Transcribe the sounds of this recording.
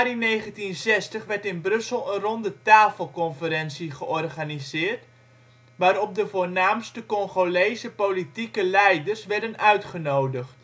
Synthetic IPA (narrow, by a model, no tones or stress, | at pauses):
arineːχəntinzɛstəχʋɛrtɪnbrɵsəlˠənrɔndətaːfəlˠkɔnfəɾɛnsiχəʔɔrχanizɪːrt | ʋaːɾɔp̚dəvoːrnaːmstəkɔŋχolejzəpolitikəlɛjdərsʋɛrdənœɥtχənowdəχt